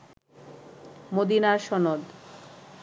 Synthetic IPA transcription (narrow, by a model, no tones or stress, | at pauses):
mod̪inaʃɔnod̪